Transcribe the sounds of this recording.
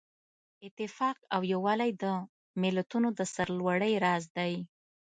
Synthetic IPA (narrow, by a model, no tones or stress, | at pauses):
ɪt̪ɪfɑqawjawɑlajd̪ə | mɪlat̪unod̪əsaɾlwaɽəjɾɑzd̪aj